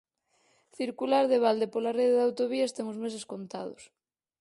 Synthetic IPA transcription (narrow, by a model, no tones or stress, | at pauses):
θiɾkulaɾðeβ̞ald̪epolareðeðawt̪oβiaest̪eŋozmes̬eskont̪a̰ð̞ʊ̰s